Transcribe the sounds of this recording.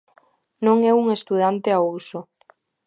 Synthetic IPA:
nõŋɛuŋest̪uð̞ant̪eaowso

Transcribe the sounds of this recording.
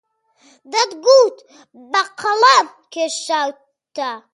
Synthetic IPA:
d̪ɐd̪ɡut̪ | baqʰɐlam | kʰeʃaw | t̪ːa

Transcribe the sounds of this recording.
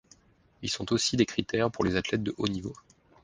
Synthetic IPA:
ilsɔ̃t̪osid̪ekχit̪ɛʁpuʁlezat̪lɛt̪̚d̪əʔonivo

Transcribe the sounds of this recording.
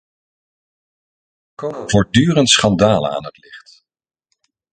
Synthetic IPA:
vʊːɹdyːrəntsχɑndaːlə̰a̰ːnɦətlɪχt

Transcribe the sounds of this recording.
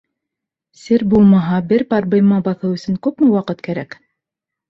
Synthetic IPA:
sɘɾbulˠmɑɦɑbɘɾpɑɾbɤ̆jmɑbɑθɤwɵ̆sɵŋkʉpmɘwɑqɤt̪kæɾæk

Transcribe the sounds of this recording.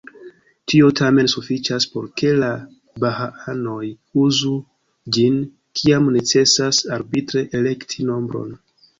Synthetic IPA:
tʰio̞tʰame̞nsufit͡ʃaspo̞ɾke̞la | baɦaʔano̞j | uzu | d͡ʒin | kʰiamne̞t͡se̞sasaɾbitɾe̞ʔele̞ktʰino̞mbɾo̞̰n

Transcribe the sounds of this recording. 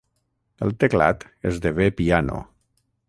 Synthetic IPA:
əlˠt̪ekla̰t̪ | ezd̪eβepiano̰

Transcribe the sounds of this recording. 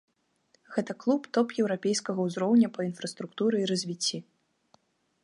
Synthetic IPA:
ɣɛt̪ɐklˠupt̪ɔpjɛwɾapʲejskɐɣɐwzɾɔwnʲɐpɐinfɾɐst̪ɾukt̪uɾɨiɾɐzʲvʲit͡sʲːi

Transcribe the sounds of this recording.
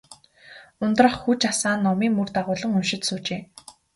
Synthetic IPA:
ʊnt̪rə̆χxut͡ɕasaːnːɔmiːŋmɵrt̪aʁʊːɮə̆ŋɵmʃɪ̆t̪suːt͡ɕeː

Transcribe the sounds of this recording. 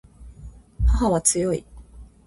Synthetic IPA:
haɦaβat͡sɨjo̞ḭ

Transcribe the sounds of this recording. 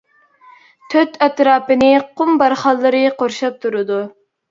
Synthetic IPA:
t̪ʰøt̪ʰɛt̪ɾɑːpɨnɨqʰʊmbɑɾχɑlˠːɨɾɨqʰoɾʃɑp̚t̪ʰuɾɨd̪u

